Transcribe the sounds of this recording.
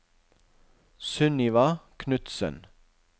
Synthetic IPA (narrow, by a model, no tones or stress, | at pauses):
sʉnɪʋɑkʰnʉt̪sə̰n